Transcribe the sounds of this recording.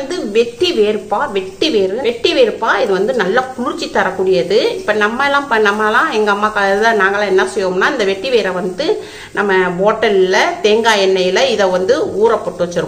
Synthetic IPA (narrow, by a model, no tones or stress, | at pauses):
nd̪ɯʋɛʈːiʋeːɾɯpːaːʋɛʈːiʋeːɾɯʋɛʈːiʋeːɾɯpːaːɪðɯʋɐnd̪ɯnɐlːaːkʊlʊɾt͡ʃːit̪ːɐɾɐkːuːɽɪjɐðɯɪpːɐnɐmːɐɛlːãːpɐnːɐmːɐlãːɛŋɡɐɐmːaːkaːðɯðãːnaːŋɡɐlãːɛnːɐsɛjːʋoːmnaːɪnd̪ɐʋɛʈːiʋeːɾɐʋɐnd̪ɯ | nɐmːɐboːʈːɐlɪlɐt̪eːŋɡaːjɛnːɐjɪlɐɪðɐʋɐnd̪ɯuːɾɐpːɔʈːɯʋɐt͡ʃːɪɾɯ